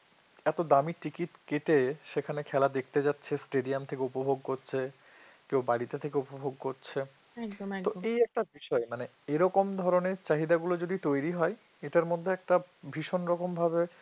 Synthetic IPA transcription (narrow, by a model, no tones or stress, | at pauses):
ɛt̪od̪amiʈikit̪keʈeʃekʰanekʰɛlad̪ek̚ʰt̪ed͡ʑatːɕʰesʈeɖiamt̪ʰekeupobʱoɡ̚koɾɕʰe | kewbaɾit̪et̪ʰekeupobʱoɡ̚koɾt͡ɕʰe | oejɛk̚ʈabiʃɔemane | eɾɔkomd̪ʱɔɾoneɾt͡ɕaɦid̪aɡulod͡ʑod̪it̪ojɾiɦɔe | eʈaɾmod̪ʱːeɛk̚ʈabʱiʃonɾɔkombʱabe